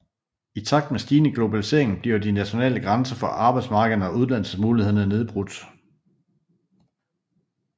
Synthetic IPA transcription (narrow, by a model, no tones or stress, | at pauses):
it͡sʰɑ̈ɡ̥̚d̥mesd̥iːnəɡ̥lo̝bælise̝̰ɐe̝ŋn̩b̥liɐdinæɕo̝nɛ̰ːləɡ̥ʁɑnsɐfɒ̽ʔɑ̈ːb̥ɑ̈ɪd̥smɑ̈ːɡ̥əðˠn̩ɒ̽uðˠlæn̰l̩səsmuːlihe̝ð̰ˠn̩ɐne̝ð̞ˠb̥ʁud̥